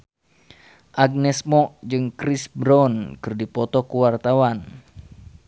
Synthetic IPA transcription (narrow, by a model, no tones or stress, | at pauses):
ʔaɡ̚nɛsmɔʔd͡ʒɨŋkɾisbɾɔnkɨrdipɔt̪ɔkuwart̪awan